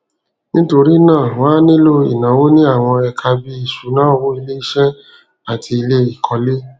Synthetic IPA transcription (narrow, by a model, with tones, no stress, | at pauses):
nĩ˦to˧ɾi˦nãː˦˨wã˦nĩ˦lo˦ḭ˨nã˨˦wo˦nĩ˦a˦˨w̃ɔ̃˧ɛ˧kʰa˧bi˦i˦˨ʃu˨˦nãː˦˧wo˦i˧le˦i˦ʃɛ˦ | a˦˨tʰi˧i˧le˦i˦˨kʰɔ˧le˦